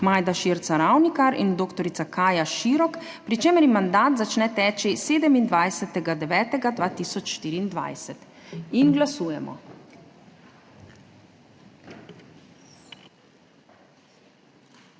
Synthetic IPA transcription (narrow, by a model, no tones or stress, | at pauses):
maːjd̪aʃiɾt̪saɾawnikaɾḭnd̪oːkt̪ɔɾit̪sakaːjaʃiːɾɔk | pɾit͡ʃeːmɛɾjimand̪aːt̪zat͡ʃnɛt̪ɛːt͡ʃiseːd̪ɛmind̪ʋajsɛt̪ɛɡad̪ɛʋɛːt̪ɛɡad̪ʋaːt̪iːsɔt͡ʃʃt̪iːɾiːnd̪ʋa̰jsɛt̪inɡlasuːjɛmɔ̰